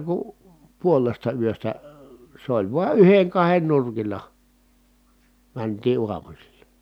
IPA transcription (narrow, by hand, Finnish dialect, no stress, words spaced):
ku puolestɑ yøstæ se olʲ ʋuɑ yheŋ kɑhen nurkilˑɑ mæntiː uɑmusilːɑ